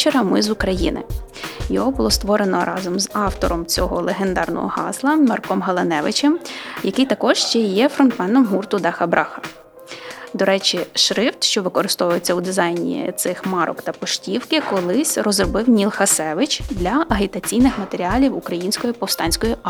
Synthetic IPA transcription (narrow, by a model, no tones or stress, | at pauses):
t͡ʃeɾɐmɪzukɾɐjḭnɪ̰ | jɔɦɔbʊlˠɔst̪ʋɔɾenɔ̰ɾʔɑzɔmzɑwt̪ɔɾɔmt͡sʲɔɦɔlˠeɦend̪ɑrnɔ̰ɦɔ̰ɦɑ̰zlˠɐmɐrkɔmɦɐlˠenɛʋɪ̰t͡ʃɛmjɐkɪjt̪ɐkɔʒʃt͡ʃɛjɛfɾɔnt̪mɛnd̪ɔmɦurt̪ʊd̪ɑxɐbɾʔɑxɐ̥ | d̪ɔɾɛt͡ʃʲiʃɾɪwt̪ʃt͡ʃɔʋɪkɔɾɪst̪ɔʋʊjet͡sʲːɐud̪ɪzɑjnʲḭt̪sɪxmɑɾɔ̰kt̪ɐpɔʃtʲiwkɪkɔlˠɪsʲrɔzrɔbɪwnʲilˠxɐsɛʋɪt͡ʃd̪lʲɐɐɦʲit̪ɐt͡sʲijnɪxmɐt̪eɾʲiɑlʲiwukɾɐjinʲsʲkɔjipɔwst̪ɑnʲsʲkɔji